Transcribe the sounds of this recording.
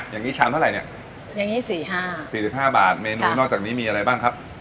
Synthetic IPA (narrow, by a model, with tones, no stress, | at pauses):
ja˨˩ŋːiː˦˥t͡ɕʰaː˧mt̪ʰɾa˨˩jni˥˩ | ja˨˩ŋiː˦˥siː˨˩ɦaː˥˩siː˨˩si˨˩p̚ɦaː˥˩ba̰ː˨˩t̪̚meː˧nuː˧nɔː˥˩k̚t͡ɕaː˨˩niː˦˥miː˧a˧ɾa˧jbaː˥˩ŋkʰa˦˥p̚